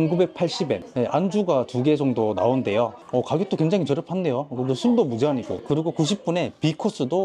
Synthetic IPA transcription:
nɡube̞k̚pʰaɭɕ͈ibe̞neʔand͡ʑuɡatuɡe̞d͡ʑʌŋdona̰onde̞jo | ʌkaɡjot͈okwe̞ŋd͡ʑaŋit͡ɕʌɾʌpʰande̞jokoɡɯsʰuɭdomud͡ʑeɦaɲiɡo̰kɯɾiɡokuɕ̬ʰip̚p͈une̞pikʰos͈ɯdo

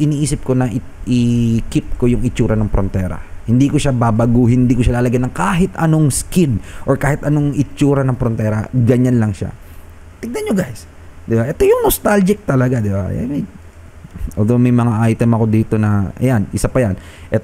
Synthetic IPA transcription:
ʔɪniːʔiːsɪp̚ko̞nɐʔɪ | ʔɪkɪp̚ko̞jʊŋɪt͡ʃuːɾɐnɐŋpɾont̪ɛːɾɐ̰hɪnd̪ikoʃababɐɡuhɪnd̪iːkoʃalaːlɐɡajnɐŋkaːɦɪt̪ɐno̞ŋskɪnʔoɹkaːhɪt̪ɐnoŋʔɪt͡ʃuːɾɐnɐŋpɾont̪ɛːɾɐ̰ɡɐɲanlɐŋʃa̰ | t̪ɪɡ̚nɐnɲoɡajs | d̪ɪbaʔɛt̪o̞jʊŋnost̪ald͡ʒɪk̚t̪ɐlɐɡad̪ɪba̰mɛ | ʔold̪owmɐjmɐŋaʔajt̪ɛmɐko̞d̪iːt̪o̞nɐʔɐ̰janʔɪsapɐjan | ʔɛ

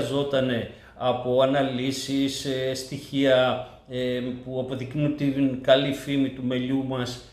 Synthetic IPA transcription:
zo̞t̪ɐne̞ | ɐpo̞ɐnɐlisisest̪içiɐ | puɐpo̞ðiknut̪inkɐlifimit̪ume̞ʎumɐs

